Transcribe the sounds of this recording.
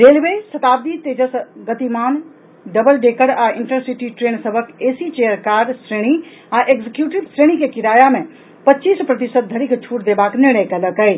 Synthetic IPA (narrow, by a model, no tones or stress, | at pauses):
ɾelbesət̪abit̪ed͡ʒəsɡət̪imaːn | ɖəbəlɖekəɽaiɳʈəɾsiʈiʈɾensəbʱəkesit͡ʃejəɾkaːɖsɾeɽ̃i | aʔeɡd͡ʒekjuʈibsɾeɽ̃ikekiɾaːjamẽ | pətːt͡ʃispɾət̪isət̪̚d̪ʱəɾikt͡ʃʰuʈd̪ebaknɪɾnəjkɛləkəj